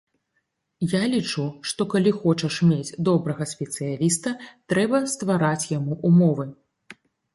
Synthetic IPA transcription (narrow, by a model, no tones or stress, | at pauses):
jalʲit͡ʂuʂt̪ɔkalʲixɔt͡ʂɐʂmʲed͡zʲd̪ɔbɾɐɣɐsʲpʲɛt̪sɨjalʲist̪ɐt̪ɾɛbɐst̪vaɾat͡sʲjamuʔumɔvɨ